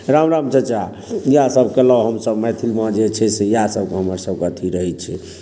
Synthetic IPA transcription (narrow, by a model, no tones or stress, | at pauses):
ɾamɾamt͡ʃʰət͡ʃa | jasəbʱkeləwɦəmsəbmɛt̪ʰilmad͡ʒet͡ʃʰɛsejasəb̚keɦəməɾsəbkət̪ʰiɾəɦɛt͡ʃʰɛ